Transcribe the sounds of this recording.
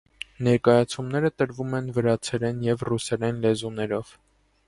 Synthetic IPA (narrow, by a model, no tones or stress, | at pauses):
nɛɾkɑjɑt͡sʰumnɛɾət̪əɾvumɛnvəɾɑt͡sʰɛɾɛnjɛvrusɛɾɛnlɛzunɛɾɔv̥